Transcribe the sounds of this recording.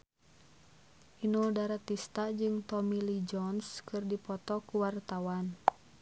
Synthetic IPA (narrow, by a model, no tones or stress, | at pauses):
ʔinuldaɾat̪ist̪ad͡ʒɨŋt̪ɔmilid͡ʒɔnskɨrdipɔt̪ɔkuwart̪awan